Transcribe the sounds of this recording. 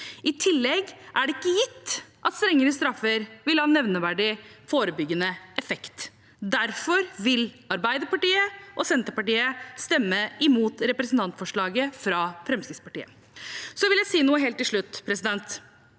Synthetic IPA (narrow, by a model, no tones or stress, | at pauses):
ɪt̪ʰɪlːɛɡʔæɖɛɪkːəjɪt̪ːʔɑt̪st̪ɾɛŋːəɾəst̪ɾɑfːəɾʋɪlhɑnːɛʋnəʋæɖɪfoːɾəbʏɡːənəʔɛfɛkt̪ | d̪æɾfɔɾʋɪl | ɑɾbæɪd̪əpɑʈiːəʔɔsɛnt̪əɾpɑʈiːəst̪ɛmːəɪmuːt̪ɾɛpɾɛsnt̪ʰɑnt̪fɔʂɭɑːɡəfɾɑfɾɛmskɾɪt̪spɑʈiːə̰ | sɔʋɪljæɪsiːnuːəɦeːlt̪ːɪlʂɭʉt̪ːpʰɾɛsɪd̪ɛnt̪